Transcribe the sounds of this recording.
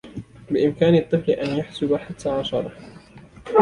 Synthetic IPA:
bɪʔɪmkaːnɨt̪ˤːɨflɪʔanjaħsʊbaħat̪ʰːaːʕɑʃɑɾˤɑ

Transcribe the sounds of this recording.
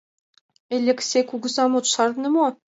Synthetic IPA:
elʲĕksʲekuɡŭzɑmot̪ʃɑrnɤ̆mo

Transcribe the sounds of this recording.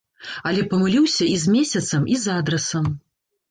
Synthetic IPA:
ɐlʲɛpɐmɨlʲiwsʲɐizʲmʲesʲɐt̪sɐmʔizad̪ɾɛsɐm

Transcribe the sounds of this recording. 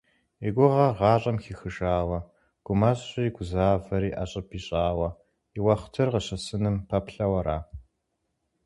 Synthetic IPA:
eɡʷʊʁɐʁɑːɕʼɐmxiːxɨʒaːwɐ | ɡ̥ʷʊmɐɕɕɪjɡʷʊzaːvɐɾiːʔɐɕʼɐpʰiːɕʼaːwɐ | iwɐχʷtʰɨrʁəɕɐsɨnɨmpʰɐpɬɐwɐɾaː

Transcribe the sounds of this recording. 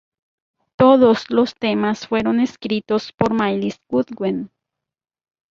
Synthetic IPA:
t̪oðoslost̪emasfweɾoneskɾit̪ospoɾmajlisɡud̪ɡwen

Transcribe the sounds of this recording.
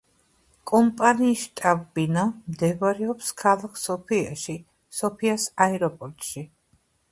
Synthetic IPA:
kʼɔmpʼaniːʃt̪ʼabbinamd̪ɛvɾɛɔpskʰalˠakʰsɔpʰia̰ʃi | sɔpʰiasaɛɾɔpʼɔɾt̪ʼʃi

